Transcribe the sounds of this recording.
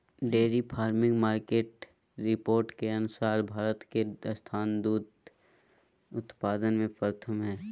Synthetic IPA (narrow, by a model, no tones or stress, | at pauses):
ɖeːɾipʰaːɾmɪ̃ŋɡmaːɾkeːʈ | ɾɪpoːɾʈkeɐnʊsaːɾbʱaːɾət̪kest̪ʰaːnd̪uːd̪ | ʊt̪paːd̪ənmẽpəɾt̪ʰəmɦɛː